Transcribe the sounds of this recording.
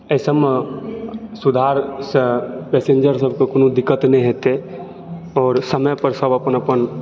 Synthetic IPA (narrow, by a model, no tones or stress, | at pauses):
əsəm | sʊd̪ʱaɾsepɛːsẽnd͡ʒəɾs̬əb̚ʱkokonõd̪ɪkːət̪nɛĩɦet̪e | ɔːɾsəməpəɾsəbəpənəpən